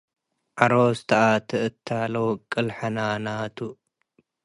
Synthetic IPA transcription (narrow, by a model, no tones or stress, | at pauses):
ʔaɾost̪ʰɐʔat̪ʰɐʔɨt̪ʰːaːlowkʼɨlħanaːnaːt̪ʰu